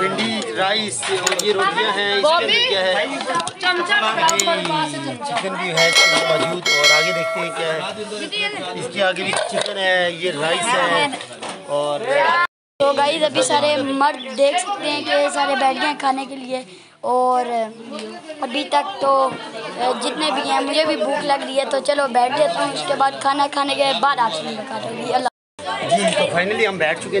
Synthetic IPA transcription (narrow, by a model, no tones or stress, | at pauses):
pɪ̃ɳɖiɾaːisjeɾoːʈijãɦɛ̃ɪeikjaːɦɛ | e | t͡ʃɪkənbʱiɦɛsmɔːd͡ʒbuːd̪ɔɾaːɡeɾɐk̚ʰt̪eɦɛ̃kjaːɦɛː | ɪskiaːɡɾit͡ʃɪkənɦɛ̃jeɾaːɪzɦɛ̃ | ɔːɾ | t̪oːɡaːizɐbʱisaːɾemɐɾd̪d̪eːkʰsɐk̚t̪eɦɛ̃ːkesaːɾebɛːɽijãkʰaːnekelɪe | ɔːɾ | ɐbʱit̪ək̚t̪oː | d͡ʒɪt̪nebʱiɦɛ̃ːmʊd͡ʒʱebʱibuːkʰlɐɡɾəiɦɛt̪ot͡ʃɐlobɛːʈ̚ʰd̪eːt̪eɦũʊskebaːd̪̚kʰaːnakʰaːnekebaːd̪aːpsenĩbəkaːɾeɡiɐlːaː | d͡ʒiːd͡ʒt̪ofʰaːɪnəliɦɐmbɛːʈʰt͡ʃʊke